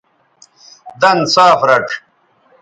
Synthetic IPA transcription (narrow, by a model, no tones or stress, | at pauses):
d̪ɐnsaːfɾɐʈ͡ʂʰ